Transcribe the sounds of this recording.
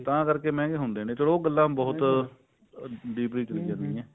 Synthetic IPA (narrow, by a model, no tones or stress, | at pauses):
t̪ãːkəɾkeːmɛ̃ːɡeːɦʊnd̪eːnẽːt͡ʃəɽoːɡəlːãːbɔːʊt̪ | ɖiːpɾiːt͡ʃəliːd͡ʒãːnd̪iːɛ̃ː